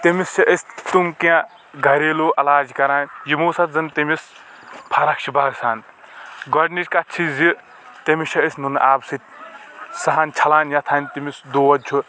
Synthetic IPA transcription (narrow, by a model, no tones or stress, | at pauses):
t̪emisʰɐʔɐst̪umkã | ɡʱɐɾeːloːʔɐlaːd͡ʒkɐɾaːnʲjimuːsɐt̪̚zɐnt̪imis | pʰɐɾɐkʃʰibaːɡsaːn | ɡɔɖniʈkɐt͡ʃʰizi | t̪ɐmiʃʰɐəsnunʔaːbsɨ | sɐɦaːnʲt͡ʃʰɐlaːnjɐt̪ʰaːnʲt̪imisd̪oːʋɐt͡ʃʰu